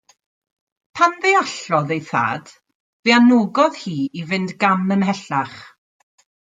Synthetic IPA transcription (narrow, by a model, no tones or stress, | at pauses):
pʰanðeaɬɔðejθa̰ːd̥ | veanoɡɔð̥hiːivɪndɡanənɦɛɬaχ